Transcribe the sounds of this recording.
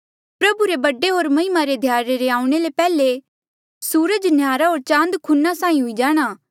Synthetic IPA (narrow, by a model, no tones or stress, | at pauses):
pɾɐbuɾebɐɖeɦoːɾmɐɦimaɾed̪ʱjaːɾeɾeaːũɽ̃elepɛːle | suːɾəd͡ʒnjaːɾaɦoːɾt͡ʃãːnd̪kʰʊnːasãːĩɦʊid͡ʒaːɽ̃aː